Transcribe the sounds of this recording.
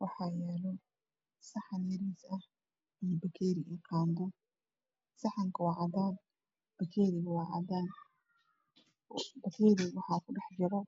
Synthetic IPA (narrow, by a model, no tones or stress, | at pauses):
wɑħɑːjɛːlɔ | sɑħɑnjɐɾiːsɐh | ijɔbɐkʰɛːɾɪʔɛːqʰaːmbʊ | sɐħɑŋkʰɐwɑːʕɑðaːn | b̥ɐkʰɛːɾɪɣɐwɑːʕɑ̰ðaːn | bɐkʰɛːɾɪwɑħɑːkʰʊɖɛħd͡ʒɐɾɐ